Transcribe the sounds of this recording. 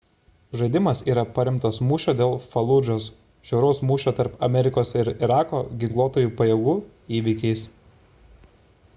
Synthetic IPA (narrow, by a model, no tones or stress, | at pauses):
ʒɐɪd̪ʲɪmɐsiːɾɐpɐɾʲɪmt̪ɐsmuːʃʲoːd̪ʲeːlˠfɐlˠʊʒoːs | ʒʲɛʊɾɐʊsmuːʃʲoːt̪ɐɾpɐmʲɛɾʲɪkoːsɪɾɪɾɑːkoːɡʲɪŋklˠuːt̪oːjuːpɐjɛɡuː | iːʋʲɪkʲɛɪs